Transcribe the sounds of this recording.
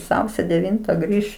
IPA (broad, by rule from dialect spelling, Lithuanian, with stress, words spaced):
ˈsɐʊsʲoː dʲɛˈʋʲɪntɐ ˈɡrʲiːʃ